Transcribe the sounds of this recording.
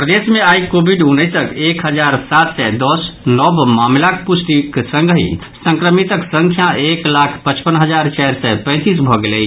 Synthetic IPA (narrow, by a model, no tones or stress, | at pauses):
pɾəd̪esmeaikobʱiɖunəjsəkekɦəd͡ʒaɾsat̪sɛd̪ɔsnɔbmamlak̚pusʈiksə̃ŋɡɦḭ | sə̃ŋkɾəmit̪əksəŋkʰjaʔeklakʰpət͡ʃpənɦəd͡ʒaɾt͡ʃajɾsɛpə̃ɪ̃t̪isbʱɔɡelɛj